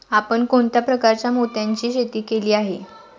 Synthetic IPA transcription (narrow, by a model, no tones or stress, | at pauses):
apəɳkoɳt̪japɾəkaɾt͡ɕjamot̪jaɲt͡ɕiːɕet̪iːkeliːaɦe